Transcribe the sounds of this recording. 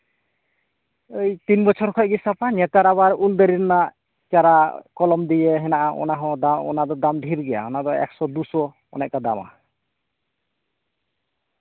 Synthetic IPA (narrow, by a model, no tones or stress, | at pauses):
əjt̪inbɔt͡ʃʰɔɾkʰɔcɡisapaɲɛt̪aɾaβaɾuld̪əɾiɾnaʔ | t͡ʃaɾakɔlɔmd̪ijeɦɛnaʔaʔɔ̰naɦɔ̃d̪aɔ̰nad̪ɔd̪amɖʱiɾɡɛja̰ɔnad̪ɔɛ̰ksɔd̪usɔ | ɔ̰nɛʔkad̪ama̰